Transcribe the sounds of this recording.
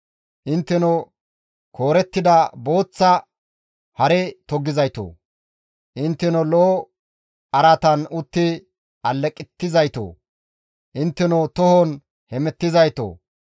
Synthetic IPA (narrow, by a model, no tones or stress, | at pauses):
ʔɪnt̪ːɛnɔ | kʰo̞ːɾɛt̪ːɪd̪ɐboːt͡sːɐ | hɐɾɛt̪ɔɡːɪzɐjt̪o̰ː | ʔɪnt̪ːɛnɔlo | ɐɾɐt̪ɐnʊt̪ːɪ | ɐlːɛkʼːɪt̪ːɪzɐjt̪o̰ː | ʔɪnt̪ːɛnot̪ɔhɔn | hɛmɛt̪ːɪzɐjt̪o̰ː